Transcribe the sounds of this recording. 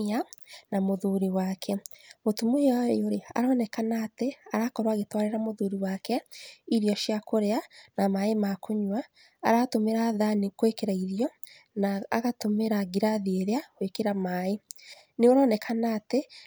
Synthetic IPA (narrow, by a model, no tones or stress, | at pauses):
anamoðuɾiwakʰɛmotumojoɾea̰ɾɔnɛkanaːteaɾakɔɾwaɣetwaɾeɾamoðuɾiwakɛiɾjɔʃiakoɾeanamaemakoɲwa̰ː | ɾatomeɾaːðanekwekeɾaiɾjɔ | naːɣatomeɾaɡiɾaðieɾeakwekeɾamae | neoɾɔːnɛkʰanaːte